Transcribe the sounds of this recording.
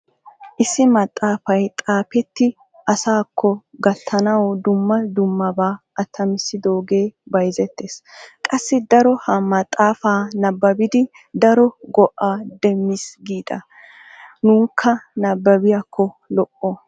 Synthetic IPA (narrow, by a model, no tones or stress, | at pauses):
ʔɪsːɪmɐt̪ʼːaːfɐjt̪ʼaːpɛt̪ːɪ | ʔɐsaːkʰːɔɡɐt̪ʰːɐnɐwd̪ʊmːɐd̪ʊmːɐbaːʔɐt̪ʰːɐmɪsːɪd̪oːɡe̞ːbɐjzɛt̪ːeːskʼɐsːɪd̪ɐɾɔhɐmɐt̪ʼːaːfaːnɐbːɐbɪd̪ɪ | d̪ɐɾɔɡɔʔaːd̪ɛmːɪsɡiːd̪ɐ | nuːŋkʰːɐnɐbːɐbɪjakʰːɔ | lɔʔːɔ